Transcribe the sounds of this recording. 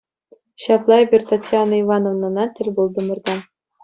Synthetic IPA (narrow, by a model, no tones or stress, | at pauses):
ɕɑplˠɑebʲerʲt̪atʲjɑnɑiʋɑnovnɤ̆nɑtʲɘ̆lʲbulˠd̪ɤ̆mɤ̆rd̪ɑn